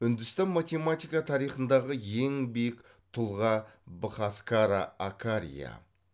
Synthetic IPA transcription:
ʏnd̪ɪst̪ɑnmat̪ʲe̞mat̪ijkɑt̪ʰɑɾijχənd̪ɑʁəje̞ŋbejk | t̪ʰʊlˠʁɑbəχaskaɾa̰akʰaɾʲḭja̰

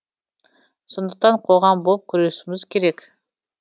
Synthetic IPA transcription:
so̞nd̪əq̚t̪ɑɴqʰo̞ʁɑmbolˠp̚kʲʰʏɾesɪmɪz̥kʲʰe̞ɾe̞kʲ

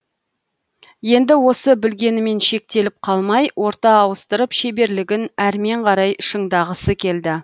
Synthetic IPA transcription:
je̞nd̪ɪwo̞səbɪlɡʲe̞nɪme̞nʃe̞k̚t̪e̞lɪp̚qʰɑlˠmɑjwʔo̞ɾt̪ɑːwəst̪əɾəpʃe̞be̞ɾlɪɡʲɪnæɾme̞ɴqʰɑɾɑjʃəɴd̪ɑʁəsəkʲʰe̞ld̪ɪ

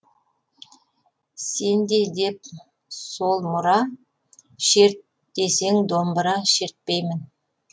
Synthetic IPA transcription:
se̞nd̪e̞d̪e̞p̚ | so̞lˠmʊɾɑ | ʃe̞ɾt̪ | d̪̥e̞se̞ŋd̪o̞mbəɾɑʃe̞ɾt̪̚pejmɪn

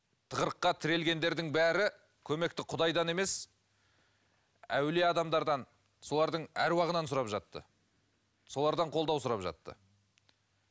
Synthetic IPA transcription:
t̪ʰəʁəɾəqːɑt̪ʰɪɾe̞lɡʲe̞nd̪e̞ɾd̪ɪŋbæɾɪ | kʲʰɵme̞k̚t̪ɪqʰʊd̪ɑjd̪ɑne̞me̞s | æwle̞ɑd̪ɑmd̪ɑɾd̪ɑn | so̞lˠɑɾd̪əɴæɾwɑʁənɑnsʊɾɑpʒɑt̪ːə̰ | so̞lˠɑɾd̪ɑɴqʰo̞lˠd̪ɑwsʊɾɑpʒɑ̰t̪ːə̰

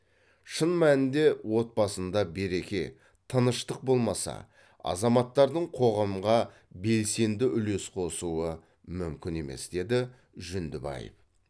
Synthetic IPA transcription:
ʃənmænɪnd̪e̞wo̞t̪̚bɑsənd̪ɑbe̞ɾe̞kʲe̞ | t̪ʰənəʃt̪əq̚bo̞lˠmɑsɑ̰ | ɑ̰zɑmɑt̪ːɑɾd̪əɴqʰo̞ʁɑmʁɑ | be̞lse̞nd̪ɪʔʏle̞sqʰo̞suə | mʏmkʲɪne̞me̞̰sd̪̥e̞d̪ɪ | ʒʏnd̪ɪbɑ̰jə̰f

